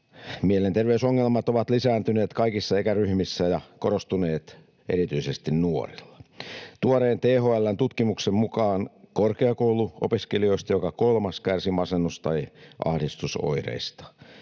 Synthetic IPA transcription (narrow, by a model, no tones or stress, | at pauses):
mielent̪erʋeysoŋːelmɑt̪oʋɑt̪lisæːnt̪yneːt̪kɑikisːɑeikæryhmisːæjɑkoɾost̪uneːt̪ | ʔḛɾit̪yisest̪innuo̰rilːɑ̥t̪uɑɾeːnt̪eːɦoælːænt̪ut̪kimuksemmukɑːnkorkeɑkowluʔo̰piskelio̞ist̪ɑjokɑkolmɑskærsimɑsenːust̪ɑiʔɑ̰hdist̪uso̰irḛist̪ɑ̥